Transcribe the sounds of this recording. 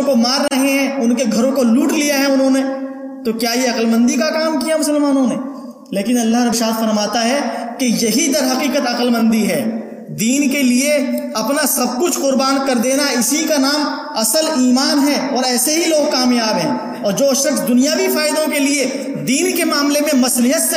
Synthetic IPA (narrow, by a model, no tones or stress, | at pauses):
komaːɾːɐɦeɦɛ̃ʊnkeɡʱɐɾõkoluːʈlijaɦɛʊnɦõne | t̪okjaːjeɐqəlmə̃nd̪ikakaːmkijamʊsəlmaːnõneː | leːkɪnɐlːaɦɾɐbʃaːt̪fɐɾmaːt̪aɦɛkijɐɦid̪ɐɾɦɐqiːqət̪ɐqəlmə̃nd̪iɦɛː | d̪iːnkelieɐpnasɐb̚kʊt͡ʃʰqʊɾbaːnkɐɾd̪eːnaɪsikanaːm | ɐsəliːmaːnɦɛɔːɾɛːseɦiloːɡ̚kaːmjaːbɦɛ̰̃ː | ɔːɾd͡ʒoːʃəʈʰd̪ʊnijaʋifaːɪd̪õkelie | d̪iːnkemaːmlemẽmɐslɪɦət̪s